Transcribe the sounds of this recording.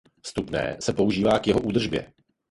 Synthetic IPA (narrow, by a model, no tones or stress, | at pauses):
fst̪upnɛ̰ːsɛpo̞uʒiːvaːkjɛɦo̞ʔuːd̪r̩ʒbjɛ̰